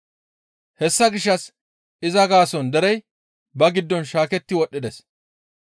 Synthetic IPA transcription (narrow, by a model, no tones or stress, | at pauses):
hɛsːɐɡɪʃːɐs | ɪzɐɡaːsɔnd̪ɛɾɛj | bɐɡɪd̪ːɔnʃaːkɛt̪ːɪwɔʔːɪd̪ɛs